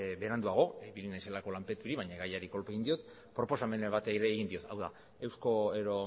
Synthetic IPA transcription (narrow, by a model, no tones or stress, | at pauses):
βe̞ɾand̪uaɣ̞o̞iβilinajse̞lako̞lampe̞t̪uɾiβajɲaɣajaɾiko̞lpeɣind̪io̞t̪ | pɾo̞po̞same̞neβat̪eiɾeːɣind̪io̞t̪ʰawða̰ | e̞wsko̞eɾo